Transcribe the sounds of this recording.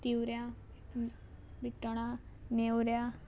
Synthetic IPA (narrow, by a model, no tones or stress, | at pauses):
t̪iwɾja | biʈəɽ̃anewɾja